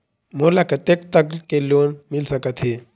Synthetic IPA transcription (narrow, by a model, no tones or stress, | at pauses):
molakət̪ek̚t̪əklkeljonmilsəkət̪ɦe